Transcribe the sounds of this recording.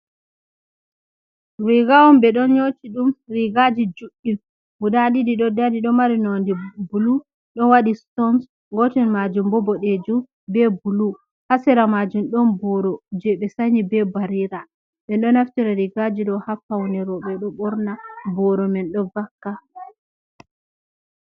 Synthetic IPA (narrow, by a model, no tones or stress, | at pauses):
wiɡawɔmbɛɗɔnɲotiɗumɾiɡad͡ʒid͡ʒuɗːi | ɡudadidiɗɔdadiɗɔmaɾinɔndibulu | ɗɔnwaɗistɔns | ŋɡɔtɛnmad͡ʒumbɔbɔɗed͡ʒu | bɛbulu | hasɛɾamad͡ʒumɗɔnbɔɾɔd͡ʒɛɓɛsaɲibɛbaɾiɾa | ɓɛnɗɔnaftiɾaɾiɡad͡ʒiɗɔhafawnɛɾɔɓɛɗɔɓɔɾnabɔɾɔmɛnɗɔvakːa